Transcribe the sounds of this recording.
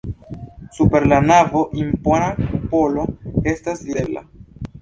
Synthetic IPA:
supe̞ɾlanavo̞ʔimponakupo̞lo̞e̞staslidela̰

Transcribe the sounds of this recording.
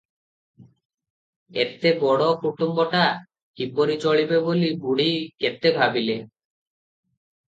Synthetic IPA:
ḛt̪ebɔɽɔkuʈumbɔʈa | kipoɾit͡ʃoɭibeboliɡuɽiket̪ebʱabile

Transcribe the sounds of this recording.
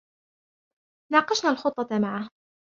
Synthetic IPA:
nɑːqɑʃnaːlxʊt̪ˤːɑmaʕah

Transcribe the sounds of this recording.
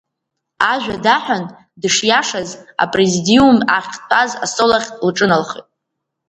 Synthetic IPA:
aʒʷᶣadaħʷᶣan | dɨʂjaʂaza̰pʼrezidiumaχʲpʰaza̰solaχʲtʼlʈ͡ʂʼɨnalχḭtʼ

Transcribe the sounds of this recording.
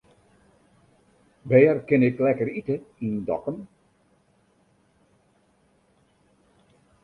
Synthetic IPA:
ʋɛːərkɪnɪklɛkəɾitəindɔ̰kən

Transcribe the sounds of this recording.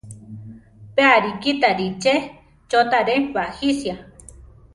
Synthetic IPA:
peaɾikit̪aɾit͡ʃe | t͡ʃot̪aɾeβahisja

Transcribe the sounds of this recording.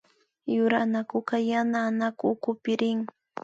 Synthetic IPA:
jʊɾanakʊkajanaːnakʊːkʊpɪɾɪŋ

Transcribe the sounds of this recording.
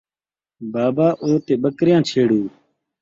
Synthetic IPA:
baːbaːʔoːt̪eːɓəkɾjãːt͡ʃʰeːɽuː

